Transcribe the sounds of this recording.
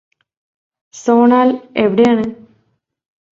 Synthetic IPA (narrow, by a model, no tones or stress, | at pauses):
soːɳaːleʋiɽejaːɳɨ